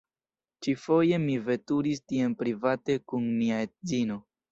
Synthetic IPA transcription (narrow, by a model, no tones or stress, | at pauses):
t͡ʃifo̞je̞mive̞tuɾistie̞npɾivate̞kunmiaet̚zino̞